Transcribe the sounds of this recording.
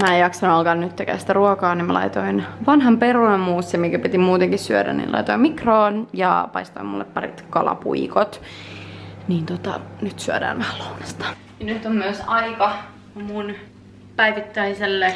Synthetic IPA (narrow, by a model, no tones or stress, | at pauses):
mæːejɑksɑnuɑlkɑnnyt̪ːekæ̰ːsi̥t̪æruokɑːnimmælɑ̰it̪oinʋɑnɦɑmperunɑmmuːsːemiŋkæpit̪imuːt̪eŋkissyødæ̰nḭːnlɑ̰ijt̪oimikroːnjɑ̰pɑist̪oimṵlːḛppɑrḭt̪kɑlɑ̰pṵikot̪ | niːnt̪ot̪ɑ̰nyt̪syødæ̰ːnʋæhælounɑst̪ɑ̥ | jɑnyt̪ːommyøsɑikɑ | mun | pæiʋit̪ːæiselːe